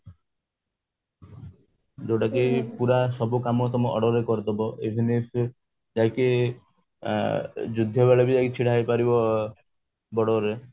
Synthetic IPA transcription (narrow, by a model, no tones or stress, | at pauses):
d͡ʒoʈakepuɾaʃɔbukamɔt̪ɔmoʔɔɽɔɾekɔɾt̪ɔbɔebʱines | d͡ʒake | d͡ʒud̪ʱːɔbaɭabid͡ʒakit͡ɕʰiɽajpaɾibɔ | bɔɽɔɾe